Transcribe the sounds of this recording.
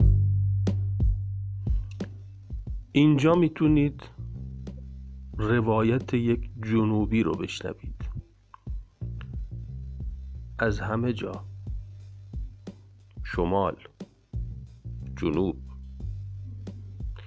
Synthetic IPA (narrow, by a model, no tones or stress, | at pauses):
ʔiːnd͡ʒɒːmiːt̪ʰuniːd̪ | re̞vɒːjæt̪ʰejekʰd͡ʒonuːbiːɾo̰be̞ʃnæ̰vḭːd̪̥ | ʔæzhæme̞d͡ʒɒː | ʃomɒːl | d͡ʒonuːb̥